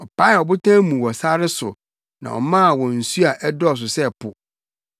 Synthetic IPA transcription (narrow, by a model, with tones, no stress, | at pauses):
ɔ˨pʰa˦ɪ˨ɔ˨bʊ˦tʰã˦mũ˨wɔ˨sa˦ɾɪ˦sʊ̰˨ | nã̰˨wɔ̰˨mã˦˨wɔ̃˨n̩˨su˦a˨ʔɛ˦dɔ˦ɔ˨s̬ʊ˨sɛ˦˨pʰʊ˨